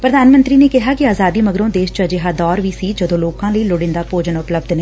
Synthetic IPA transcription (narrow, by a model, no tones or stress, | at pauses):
pɾəd̪aːnmə̃nt̪ɾiːneːkɪɦaːkɪaːzaːd̪iːməɡɾõːd̪eːʃt͡ʃad͡ʒeɦaːd̪ɔːɾʋiːsiːd͡ʒəd̪õːloːkãːləiːlʊɽɪ̃nd̪aːpoːd͡ʒənʊpləb̚d̪nẽː